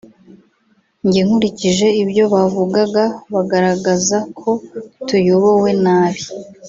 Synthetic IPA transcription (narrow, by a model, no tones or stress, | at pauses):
ɲɟeŋ̥huɾiciʒe̞ibɟo̞βavuɡaɡaβaɡaɾaɡazakʰo̞tujo̞βo̞we̞naːβi